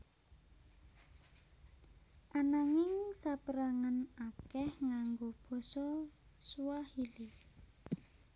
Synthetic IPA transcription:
ʔanaŋɪŋsapəɾaŋanakɛhŋaŋɡob̥ɔ̤sɔsuwahili

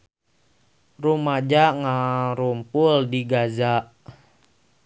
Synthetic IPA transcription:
rumad͡ʒaŋaɾumpuldiɡazaʔ

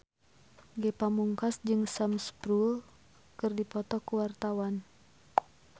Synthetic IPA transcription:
ɡɛpamuŋkasd͡ʒɨŋsamspɾul | kɨrdipɔt̪ɔkuwart̪awan

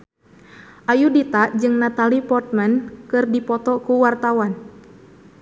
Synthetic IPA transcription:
ʔajudit̪ad͡ʒɨŋnat̪alipɔrt̪̚mɛnkɨrdipɔt̪ɔkuwart̪awan

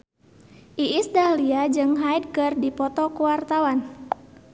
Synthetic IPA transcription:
ʔiisdaliad͡ʒɨŋɦajd̚kɨrdipɔt̪ɔkuwart̪awan

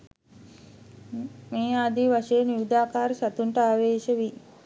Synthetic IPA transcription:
meːad̪iʋaʂɐjeniʋid̪aːkaːɾəsat̪uɳʈəaːʋeːʃəʋi

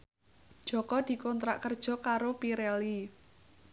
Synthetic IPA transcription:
d̥ʒ̥ɔ̤kɔd̪̥i̤kɔnt̪ɾa̰ʔkərd̥ʒ̥ɔ̤kaɾopiɾɛli

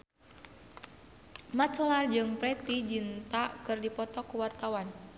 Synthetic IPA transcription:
mat͡ʃɔlard͡ʒɨŋpɾɛt̪id͡ʒint̪akɨrdipɔt̪ɔkuwart̪awan

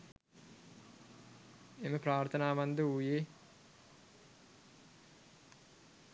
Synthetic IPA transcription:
eməpɾaːɾt̪ʰənaːʋand̪əujeː

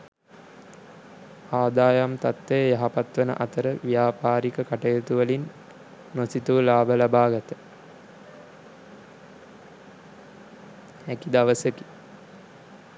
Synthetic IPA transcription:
aːd̪aːjamt̪at̪ːejjaɦapat̪ʋənə̰ʔat̪əɾəʋijaːpaːɾikəkaʈɐjət̪uʋəlinː | osit̪uʋlaːbəlabaːɡɐt̪ə̥ | ækid̪aʋəsəki̥

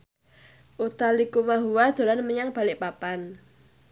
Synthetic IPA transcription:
ʔut̪alikumaɦuwad̪̥o̤lanməɲaŋb̥a̤lɪʔpapan

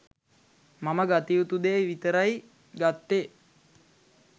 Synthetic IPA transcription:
maməɡat̪iut̪ud̪eʋit̪əɾaj | ɡat̪ːe

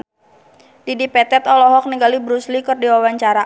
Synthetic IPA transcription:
didipɛt̪ɛt̪ɔlɔɦɔk̚niŋɡalibɾuslikɨrdiwawaɲt͡ʃaɾa

